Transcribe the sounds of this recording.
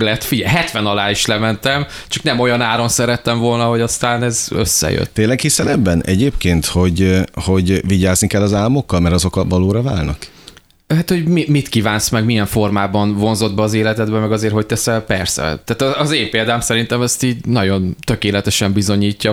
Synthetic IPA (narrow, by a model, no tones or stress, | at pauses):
lɛt̪fiɟɛjɦɛt̪ʋɛnɒlaːiʃlɛmɛnt̪ɛm | t͡ʃɒknɛmo̞jɒnaːɾo̞nsɛɾɛt̪ːɛɱvo̞lnɒɦo̞ɟɒst̪aːnɛzø̰sːɛ̰jø̰t̪t̪eːnlːɛkhisɛnɛbːɛnɛɟeːpkeːnt̪ho̞ɟho̞ɟviɟaːznikɛlːɒzaːlmo̞kːɒlmɛɾɒzo̞kɒvɒloːɾɒva̰ːlnɒk | ɦat̪ho̞ɟmimit̪kiːvaːnsmɛɡmijɛɱfo̞rmaːbɒnvo̞nzo̞d̪bɛːzeːlɛt̪ɛd̪bɛmɛɡɒzeːrɦo̞c̚t̪ɛsɛlpɛrsɛ̰t̪aːt̪ɒɒzeːmpeːld̪aːmsɛɾint̪ɛmɛst̪iːɟnɒɟo̞nt̪ø̞keːlɛt̪ɛʃɛmbizo̞ɲiːcːɒ